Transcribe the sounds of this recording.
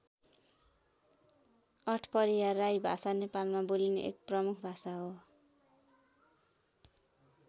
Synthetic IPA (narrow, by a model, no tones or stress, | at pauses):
ʌʈʰpʌɾiwarːajbʱasanepalmabolinḛʔḛk̚prʌmukʰbʱasaɦo